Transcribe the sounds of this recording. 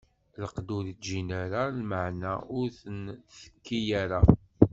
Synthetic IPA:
ləqd̪uɾit̪ʒinaɾalməʕnaʊɾθənθə̥kːijaɾa

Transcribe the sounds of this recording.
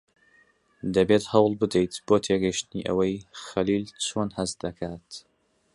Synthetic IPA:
d̪ɐbeːt̪hɐwlˠbɨd̪ejt̪b̥oːt̪ʰeɡɐjʃt̪ɨniːʔɐ̰wɐjxɐliːlt͡ʃʰoːnhɐzd̪ɐkʰaːt̪

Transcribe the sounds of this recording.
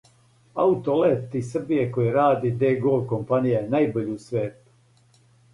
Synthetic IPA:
a̰ut̪olet̪isr̩bijekojeɾaːd̪id̪eːɡolko̞mpanijajenajboʎusʋeːt̪u̥

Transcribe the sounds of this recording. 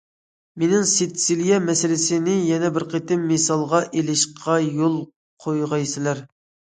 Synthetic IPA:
menɪŋsit̪silijɛmɛsɪlɪsɪnɪjɛnɛbɪɾqʰet̪ɪmːesɑlˠʁɑʔelɪʃqʰɑjolˠ | qʰojʁɑjsɪlæɾ

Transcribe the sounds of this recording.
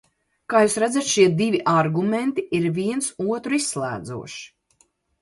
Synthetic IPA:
kaːjuːsɾæd̪at̪ʃiɛd̪ivʲiʔaɾɡument̪iiɾviɛnsuɔt̪ɾuisːlˠæ̰ːd̪zṵɔʃi̥

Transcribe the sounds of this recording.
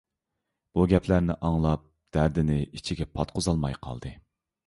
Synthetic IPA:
b̥uɡʲɛpʰlæɾnɪʔɑŋlˠɑp̚ | d̪̥æɾd̪ɪnɪit͡ʃʰiɡʲɛpʰɑt̪̚qʰozɑlˠmɑjqʰɑ̰lˠd̪ɨ

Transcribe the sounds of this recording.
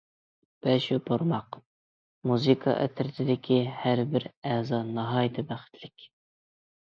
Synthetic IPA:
b̥ɛʃupʰoɾmɑq | muzɨkʰɑ̰ʔɛ̰t̪ʰɪɾɪt̪ʰɪd̪ɪkʲʰihæɾbɪɾɛzɑnɑɦɑːjɪt̪ʰɨbæχɪ̥t̪ʰlɪkʲ

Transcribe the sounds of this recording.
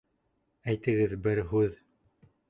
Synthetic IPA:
æjt̪ɘ̆ɡɘðbɘɾɦʉð

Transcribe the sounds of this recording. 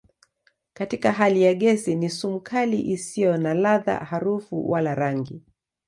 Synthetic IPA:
katikaɦalijaɠɛsinisum̩kʰaliʔisijɔnalaða̰haɾufṵwalaɾaŋɡi

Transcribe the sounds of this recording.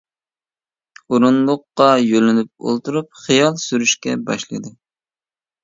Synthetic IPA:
oɾunlˠʊqːɑjølɪnyp̚o̰lˠt̪uɾup̚χijɑlˠsyɾyʃkʲɛbɑ̰ʃlˠɨ̰d̪ɨ

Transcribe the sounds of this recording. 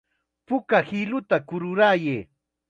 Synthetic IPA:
pʊkahɪlʊt̪akʊɾʊɾajeː

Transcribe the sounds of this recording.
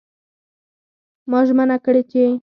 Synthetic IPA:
mɑʒmanakɽet͡ʃe

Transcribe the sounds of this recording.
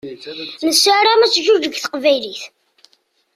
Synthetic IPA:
nəsːaɾamæt͡sːʒud͡ʒəɡθə̥qvæjliθ

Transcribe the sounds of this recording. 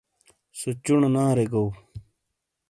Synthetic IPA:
sot͡ɕuɳnãːɾeɡow

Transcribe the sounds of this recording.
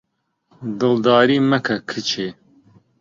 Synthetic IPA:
d̪ɨld̪ɑːɾiːmɐkʰɐkʰɨt͡ʃʰeː

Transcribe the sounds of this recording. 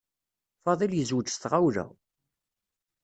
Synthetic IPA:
fɑðˤiljəzwəd͡ʒsθʁawɾæ̰

